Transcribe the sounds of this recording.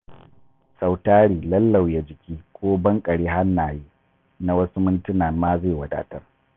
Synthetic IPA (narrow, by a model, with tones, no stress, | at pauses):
sa˨wtaː˦ɽiː˨lɐ˦lːa˨wja˦d͡ʒɪ˨kʲiː˦kʷoː˦bɐ˦ŋkʼɐ˨ɽiː˦ɦa˦nːaː˨jiː˦ | na˦wɐ˦su˦mʊ˦ntʊ˦naː˨maː˦ze˦˨wɐ˨da̰ː˨tɐ˦r